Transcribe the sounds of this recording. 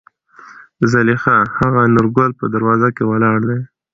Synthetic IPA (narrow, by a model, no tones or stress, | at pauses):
zalixahaɣanʊɾɡolpəd̪aɾwɑzakewalɑɽd̪aj